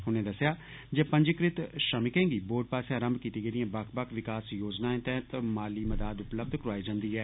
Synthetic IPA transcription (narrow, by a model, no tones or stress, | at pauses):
ɦʊnẽːd̪əsjaː | d͡ʒeːpə̃ɲd͡ʒɪkɾɪt̪ʃəmɪkẽːɡiːboːʈ̚paːsãːɾəmbkiːt̪iːɡəːd̪ɪjãːbəkʰbəkʰʋɪkaːsjoːd͡ʒnaːẽt̪ɛ̃t̪əmaːliːməd̪aːd̪ʊpləb̚d̪ʱkɾoaːid͡ʒãːnd̪iːɦɛː